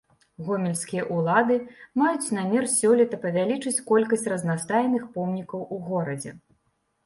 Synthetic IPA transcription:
ɣɔmʲɛlʲskʲijɐʔulˠad̪ɨmajut͡sʲnamʲɛrsʲɔlʲɛt̪ɐpɐvʲalʲit͡ʂɨt͡sʲkɔlʲkɐsʲt͡sʲrɐznast̪ajnɨxpɔmnʲikɐwuɣɔɾɐd͡zʲɛ̰

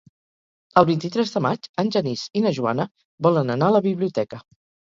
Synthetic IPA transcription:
əlˠβint̪it̪ɾɛzðəmad͡ʒənʲʒənizinəʒua̰nə | βɔlənənaələβiβliut̪ɛkə

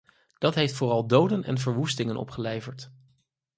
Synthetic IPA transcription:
d̥ɑtɦejftfʊːrɑlˠdowdənɛ̰nvəɹʋustɪŋənʔɔ̰pχəlejvəɹt

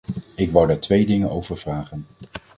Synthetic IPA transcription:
ɪkʋawdaːɹtʋejdɪŋənowvəɹvraːχən

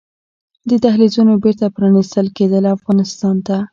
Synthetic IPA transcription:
d̪ət̪ahlizunobeɾt̪apɾɑnist̪əlked̪əlafɣɑnɪst̪ɑnt̪a

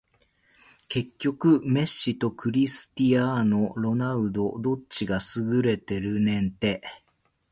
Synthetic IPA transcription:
ke̞kʲːo̞kɯ̟me̞ɕːit̪o̞kɯ̟ɾʲisɨ̥t̪iano̞ɾo̞naɯ̟d̪o̞d̪o̞t͡ɕiɡasɨɡɯ̟ɾe̞t̪e̞ɾɯ̟nẽ̞nt̪e̞

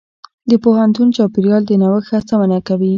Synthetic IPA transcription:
d̪əpoɦant̪unt͡ʃɑpiɾjɑld̪ənawəxasamanakawi

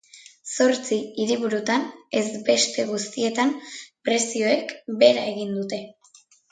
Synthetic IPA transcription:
so̞ɾt͡siiɾiβuɾut̪ane̞zbe̞st̪e̞ɣust̪ie̞t̪ampɾe̞sio̞e̞kbe̞ɾae̞ɣ̞ind̪ut̪e̞

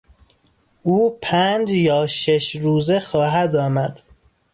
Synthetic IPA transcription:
uːpʰænd͡ʒjɒːʃeʃɾuːzexɒːɦæd̪ɒːmæd̪̥

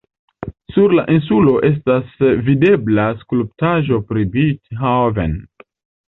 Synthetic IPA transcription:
suɾla̰ʔins̬ulo̞ʔe̞s̬tasvide̞blaskulp̚taʒo̞pɾibitɦavḛn

